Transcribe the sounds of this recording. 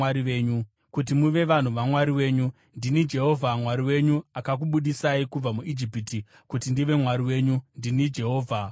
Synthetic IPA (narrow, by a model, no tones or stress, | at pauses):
aɾiʋe̞ːɲu | kut̬imuʋe̞ʋan̤uʋamwaɾiwe̞ːɲu | ndinid͡ʒe̞ɦo̞vʱamwaɾiwe̞ɲuakak̬uɓuɗisaikub͡vamuʔid͡ʒipiti | kutindiʋe̞mwaɾiwe̞ːɲundinid͡ʒe̞ɦo̞ːvʱa